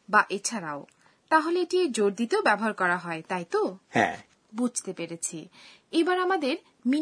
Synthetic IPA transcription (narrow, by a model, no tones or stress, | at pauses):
baʔet͡ɕʰaɾa̰o | t̪aɦoleeʈied͡ʑoɾd̪it̪eobɛboɦaɾkɔɾaɦɔet̪ajt̪ohɛ̰̃ | bud͡ʑʱt̪epeɾet͡ɕʰe | ebaɾamad̪eɾ | mi